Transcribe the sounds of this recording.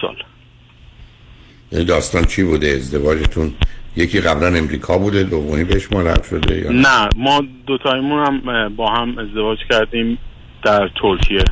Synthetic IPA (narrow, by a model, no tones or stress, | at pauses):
ɒ̰l | jæ̰niːd̪ɒːst̪ɒːnt͡ʃʰiːbuːd̪eːzd̪e̞vɒːd͡ʒet̪ʰunjecʰiːɣæblæne̞mɾiːkʰɒːbuːd̪ed̪ovoniːbeheʃmɒɾæ̰vʃo̞̰d̪e̞̰jɒ̰ːnæmɒːd̪ot̪ʰɒːjimunæmbɒːhæme̞zd̪e̞vɒːd͡ʒcʰæɾd̪ĩːm | d̪̥æɾt̪ʰoɾkʰije